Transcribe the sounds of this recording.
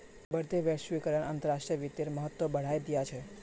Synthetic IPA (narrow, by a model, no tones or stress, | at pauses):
bəɾd̪ʱeʋjəʃʋikəɾəɳaːnt̪əɾaʂʈɾijəʋɪt̪ːeɾməɦət̪ːʋobəɽ̤ajd̪ijat͡ʃʰe